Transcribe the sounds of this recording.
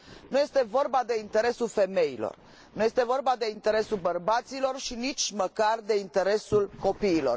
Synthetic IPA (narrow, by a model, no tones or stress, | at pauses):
nuje̞st̪e̞vo̞rbad̪e̞int̪e̞ɾe̞sulfe̞me̞ilo̞̰r | nuje̞st̪e̞vo̞rbad̪e̞int̪e̞ɾe̞sulbərbat̪silo̞rʃinit͡ʃʲməkard̪e̞int̪e̞ɾe̞sulko̞piːlo̞̰r